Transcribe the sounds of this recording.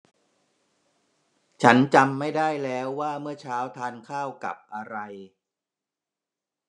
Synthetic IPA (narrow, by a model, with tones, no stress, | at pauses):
t͡ɕʰa˦˥nt͡ɕa˧mːa˥˩jdaː˥˩jlɛː˦˥wːaː˥˩mɯ˥˩ɐt͡ɕʰaː˦˥wt̪ʰaː˧nkʰaː˥˩wka̰˨˩p̚ʔa˧ɾa˧j